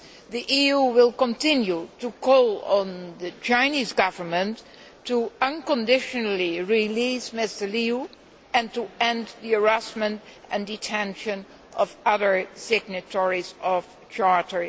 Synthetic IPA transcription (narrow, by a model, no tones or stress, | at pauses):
ðiʔijuwɪlˠkə̃ntɪ̃njutukʰɔlˠə̃nðɨt͡ʃãɪnizɡʌvə˞mə̃n | tːuʌ̃nkə̃ndɪʃənl̩iɹilismɪstəliu | ɨ̃ntuɛ̃ndðiə˞æsmə̃ntɨ̃nditʰɛ̃nʃɨ̃n | ʌvʌðə˞sɪɡ̚nɨtʰɔɹizɔv̥ | t͡ʃɑɹtə˞